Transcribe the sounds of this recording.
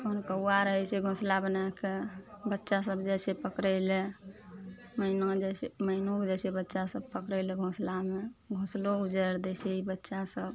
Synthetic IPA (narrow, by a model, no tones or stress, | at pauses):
konkəwaɾəɦɛt͡ʃʰɛɡʱõslabənakebətːʃasəbd͡ʒɛsepəkɾəɪle | məɪnõd͡ʒɛseməɪnõkd͡ʒɛsʰebətːʃasəb̚pəkɾəɪleɡʱõslameɡʱõsloud͡ʒəɾd̪ɛt͡ʃʰeibətːʃasəb